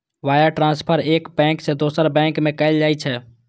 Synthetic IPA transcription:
ʋaːjəʈɾãːnspʰəɾeːkbɛ̃ːŋksed̪oːsəɾbɛ̃ːŋkmẽkəɪld͡ʒaːit͡ʃʰɛ

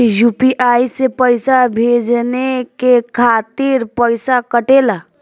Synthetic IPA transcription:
jupiʔaisepəɪsabʱed͡ʒnekekʰat̪iɾpəɪsakəʈela

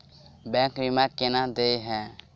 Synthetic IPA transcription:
bɛŋkɾimakɛnad̪ejɦɛ̃

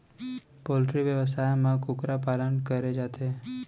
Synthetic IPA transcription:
polʈɾiʋjəʋəsajmãkʊkɾapalənkəɾed͡ʒat̪ʰe

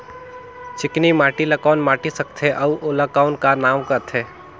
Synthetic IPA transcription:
t͡ʃɪknimaːʈilɐkaːnmaːʈisɐk̚t̪ʰeʔɐʋʔolɐkaːnkanaːwkɐt̪ʰeː

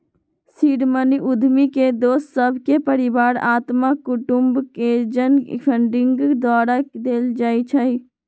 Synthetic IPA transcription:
siɾməniʔud̪ʱmiked̪ossəbʱkepəɾibaːɾat̪makːuʈumbked͡ʒən̰pʰəɳɖiŋɡd̪aɾəkd̪eld͡ʒajt͡ʃʰəj

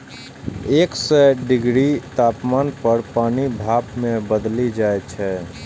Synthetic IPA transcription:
eːksɛɖɪɡɾit̪aːpmaːnpəɾpaːnibʱaːpmẽbəd̪lid͡ʒaːet͡ʃʰɛ

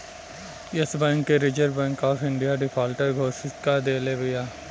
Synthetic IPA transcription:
esbɛ̃ːŋkːeɾɪd͡ʒəɾbɛ̃ːŋkɔːfʰɪ̃ɳɖijaɖɪpʰaːlʈəɖɡʱoːsɪskad̪eːlebɐjaː

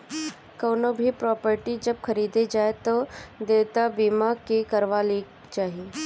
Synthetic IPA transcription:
kəːnobʱipɾɔːpəɾʈid͡ʒɐbxɐɾiːd̪ed͡ʒaːet̪od̪eːt̪abimakekɐɾʋali | t͡ʃaːɦie

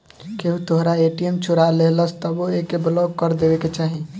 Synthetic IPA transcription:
keɦut̪oɦɾaeʈiemt͡ʃʰuɾaleɦləst̪ɔboekeblɔɡ̚kəɾd̪ebeket͡ʃaɦi

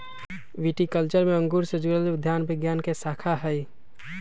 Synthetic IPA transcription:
ʋiːʈikəlt͡ʃəɾmẽə̃ŋɡuːɾsed͡ʒuɾəlʋɪd̪ʱːjaːnbɪɡjaːnkesaːkʰaɦɛi

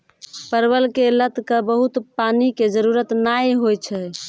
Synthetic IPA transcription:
pəɾbəlkelət̪kəbəɦut̪paniked͡ʒəɾuɾət̪najɦojt͡ʃʰɛ

